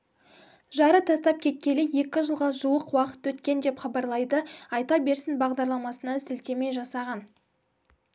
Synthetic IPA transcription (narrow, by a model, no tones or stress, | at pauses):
ʒɑɾət̪ʰɑst̪ɑp̚kʲʰe̞t̪̚kʲe̞lɪje̞kʲɪʒəlˠʁɑʒuwəqwɑqə̥t̪wɵt̪kʲe̞nd̪e̞pχɑbɑɾlˠɑjd̪əɑjt̪ɑbe̞ɾsɪnbɑʁd̪ɑɾlˠɑmɑsənɑzɪlt̪e̞me̞jʒɑsɑʁɑn